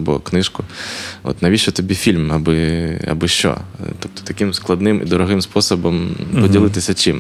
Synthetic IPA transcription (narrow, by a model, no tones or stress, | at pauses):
bɔ̰knɪʃkʊɔ̰t̪nɐʋʲiʃɛt̪ɔbʲifʲilʲmɐbɪɐ̰bɪʃt͡ʃɔ̰t̪ɔp̚t̪ɔ̥t̪ɐkɪmsklˠɐd̪nɪmḭd̪ɔɾɔɦɪmspɔsɔbɔmpɔdʲilˠɪt̪ɪsʲɐt͡ʃim